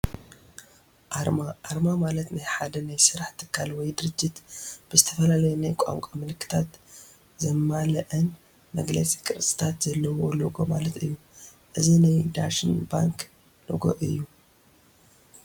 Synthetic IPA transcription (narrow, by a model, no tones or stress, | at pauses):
ʔaʔaɾmamalɐt̪najħad̪ɐnajsɨɾaħt̪ʰɨ̥kʰːalwɔjd̪ɨɾɨd͡ʒːit̪b̥ɨzɨt̪ʰɐfɐlalɐjonajkʷʼa̰ŋkʷʼamɨlkʰːɨ̥t̪ʰat̪ | zɐmːalɐʔɐn | mɐɡlɐ̰sʼi̥kʰʼɨɾsʼɨ̥t̪ʰat̪z̥ɐlːɐwoloɡo̞malɐt̪ɨjːu | ʔɨzinajd̪aʃɨnba̰ŋk | lo̰ɡo̰ʔɨ̰jːu